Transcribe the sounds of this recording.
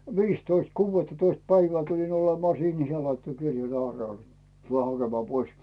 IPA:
ʋiːstoist kuːʋːetːɑtoist pæiʋæː tulin olemɑː siːn ni se lɑitːo kirjɑn ɑːrnel tuleˑ hɑkemɑː pois

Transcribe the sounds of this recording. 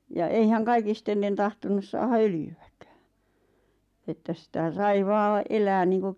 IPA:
jɑ eihæŋ kɑikistelːen tɑhtonus sɑːhɑ øljyæ̥kæ̥ː etːæ sĭtæ sɑi ʋɑː elæː niːŋku

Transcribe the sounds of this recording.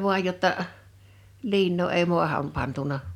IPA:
ʋu̞ɑj jotːɑ əʔ liːnːoː eˑi mu̞ɑhɑm pɑntunɑ

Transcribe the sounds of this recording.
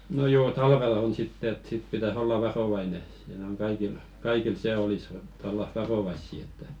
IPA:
no joː tɑlʋelɑ̆ on sitːe et sit pitæs olːɑ ʋɑroʋɑine siːnæ̆ oŋ kɑikil kɑikil se olis ĕtːæ olːɑ ʋɑroʋɑisːi etːæ

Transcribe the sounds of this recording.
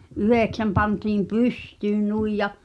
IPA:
yheˑksæm pɑntiːm pystyːn nuij jɑ

